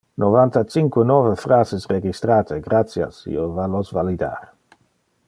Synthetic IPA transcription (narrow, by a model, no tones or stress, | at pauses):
novant̪at͡ʃiŋkwenɔːvefɾaːzesreɡist̪ɾaːt̪ʰeɡɾat̪sja̰sḭːovalosvalid̪a̰ɾ